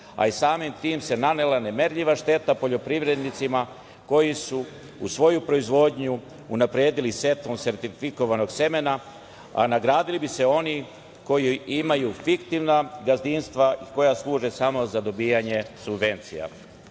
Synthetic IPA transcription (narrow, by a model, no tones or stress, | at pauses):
a̰isaːmimt̪iːmse̞nanelane̞me̞ɾʎiʋaʃt̪e̞t̪apo̞ʎo̞pɾiʋɾe̞d̪nit̪sima | ko̞jisu | usʋo̞jupɾo̞izʋo̞d̪ɲu | unapɾeːd̪ilise̞t̪omse̞ɾt̪iɾfiko̞ʋano̞ɡseme̞na | a̰naɡɾaːd̪ilibise̞o̞ni | ko̞jiimajufikt̪iʋnaɡazinst̪ʋaiko̞jaslˠuːʒesamo̞zad̪o̞biːaɲe̞subʋe̞nt̪sḭja̰